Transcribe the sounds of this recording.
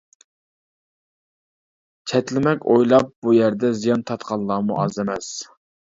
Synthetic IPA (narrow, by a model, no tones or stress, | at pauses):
t͡ʃʰɛt̪lɪmɛkʲojlˠɑp̚bujæɾd̪ɛzijɑnt̪ʰɑt̪qʰɑnˠlˠɑːmṵʔɑ̰zɪmɛs